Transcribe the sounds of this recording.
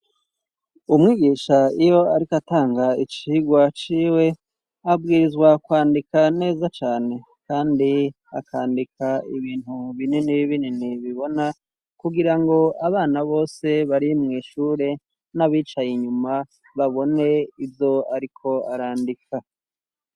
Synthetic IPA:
umŋiːɡiːʃaijo̞aɾikataːŋɡait͡ʃiːɡwat͡ʃiːwe̞ | abɡiːɾizɡwakwaːndikane̞ːzat͡ʃaːne̞ | kaːndi | a̰kʰaːndikʰaiβiːnhuβininiβininiβiβo̞na | kuɡiɾaŋɡo̞aβaːnaβo̞ːse̞βaɾimŋiːʃuːɾe̞ | naβiːt͡ʃajiɲuma | βaβo̞ne̞ivjo̞aɾikʰo̞aɾaːndikʰa

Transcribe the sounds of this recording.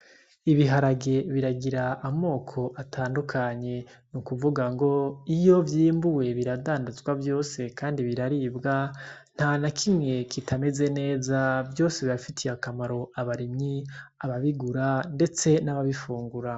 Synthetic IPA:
iβiɦaɾaɡe̞βiɾaɡiɾaʔːmo̞ːkʰo̞ʔatʰaːndukʰaɲe̞nukuvuɡaŋɡo̞ijo̞vjiːmbuwe̞βiɾadaːndazɡwavjo̞ːse̞kʰaːndiβiɾaɾibɡan̥hanakʰimŋe̞kʰitʰame̞ze̞ne̞ːzavjo̞ːse̞βiɾafitʰijakamaɾo̞ʔaβaɾimɲiaβaβiɡuɾande̞t͡se̞naβaβifuːŋɡuɾa

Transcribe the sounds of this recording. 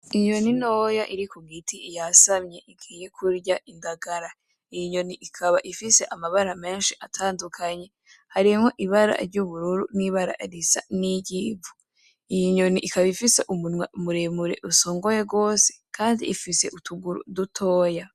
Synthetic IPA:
iɲo̞nino̞ːjaʔiɾikuɡitiijasamɲe̞ʔiɡiːje̞kuɾɟaʔindaɡaɾa | ijiɲo̞niʔikʰaβaʔifise̞ʔamaβaɾame̞ːnʃiʔatʰaːndukʰaɲe̞ | haɾimho̞ʔiβaɾa̰ɾɟuβuɾuɾuniβaɾa̰ɾisa̰niɟiːu | ijiɲo̞niʔikaβaifise̞ʔumunweumuɾemuɾe̞̰ʔuso̞ːŋɡo̞je̞ɡo̞ːse̥kʰaːndḭʔːfise̞̰ʔutuɡuɾṵdutʰo̞ːja

